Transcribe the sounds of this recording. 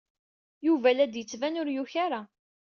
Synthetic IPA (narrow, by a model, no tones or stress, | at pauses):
juvælæd̪jət͡sːvænʊɾjuçaɾa